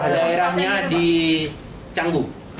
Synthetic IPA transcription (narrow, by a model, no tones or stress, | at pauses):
daeɾahɲadi | t͡ʃaŋɡu